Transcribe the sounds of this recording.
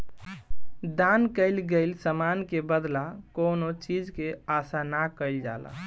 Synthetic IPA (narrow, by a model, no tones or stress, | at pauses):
d̪ankəɪlɡeɪlsəmankebəd̪lakonot͡ʃid͡ʒkeasanakəɪld͡ʒa̰la̰